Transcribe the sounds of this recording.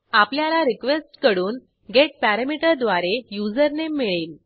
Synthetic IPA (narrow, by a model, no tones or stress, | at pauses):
apljalaɾikʋesʈkəɽuːn | ɡeʈ̚pæɾəmiʈəɾd̪ʋaɾejud͡zəɾnemmːiɭiːl